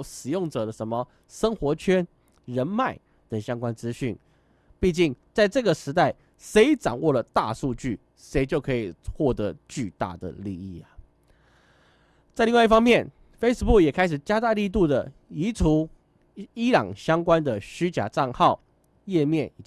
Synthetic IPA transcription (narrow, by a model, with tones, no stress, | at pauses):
ʂɻ̩˨˩jʊ˥˩ŋʈ͡ʂɤ˨˩d̪ə˦ʂə˧˥nmə˧ | ʂə˥ŋxwɔ˧˥t͡ɕʰɥɛ˥n | ɻə˧˥nma˥˩ɪ | t̪ə˨˩ŋɕjɑ˥ŋkwa˥nt͡sɹ̩˥ɕy˥˩n | pi˥˧t͡ɕi˥˩ŋt͡sa˥˧ɪʈ͡ʂɤ˥˩ɡə˩ʂɻ̩˧˥t̪a˥˩ɪ | ʂe˧˥ɪʈ͡ʂɑ̰˨˩ŋwɔ˥˩lə˩t̪a̰˥˧ʂu˥˧t͡ɕy˥˩ | ʂe˧˥ɪt͡ɕjo˥˩ʊkʰɤ˧˥i˨˩xwɔ˥˩t̪ɤ˧˥˦t͡ɕy˥˧t̪a̰˥˩d̪ə̰˩li˥˧i˥˩ɐ˩ | t͡sa˥˧ɪli˥˧ŋwa˥˧i˥˩fɑ˥ŋmjɛ˥˨n | fe˥ɪs̩˥˧pu˥˩kjɛ˨˩kʰa˥ɪʂ̬ɻ̩˨˩t͡ɕja˥t̪a˥˧li˥˧t̪u˥˩d̪ə˩i˧˥ʈ͡ʂʰu˧˥ | i˥lɑ̰˨˩ŋɕjɑ˥ŋkwa˦nd̪ə˨ɕy˥t͡ɕja̰˨˩ʈ͡ʂɑ˥˧ŋxɑ˥˨ʊ | jɛ˥˧mjɛ˥˩ni˨˩